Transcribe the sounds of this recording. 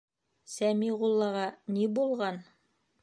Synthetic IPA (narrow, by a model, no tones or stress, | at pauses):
sæmiʁulˠːɑʁɑnibulˠʁɑn